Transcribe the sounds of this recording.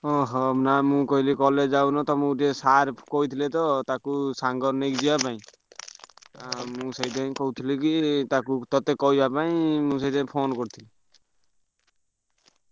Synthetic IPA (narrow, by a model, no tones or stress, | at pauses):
ɔɦɔnamũkɔɦilikɔled͡ʒawnɔt̪ɔmũʈesaɾkɔɦit̪ʰilet̪ɔt̪akusaŋɡɔɾnikd͡ʒibapaĩ | amũsejd̪aĩkɔɦut̪ʰilikit̪akut̪ɔt̪ekɔɦibapaĩmũs̬ejd̪aj̃pʰonkɔɾt̪ʰili